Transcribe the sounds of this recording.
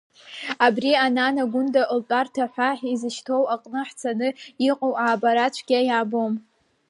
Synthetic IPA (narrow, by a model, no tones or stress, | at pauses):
abriananaɡʷʊndaʔltʼartʰaħʷaħizɨʃtʰo̞waqʼnɨħt͡sʰanɨiqʼowʕabaɾat͡ʃʷʰɡ̥ʲajabom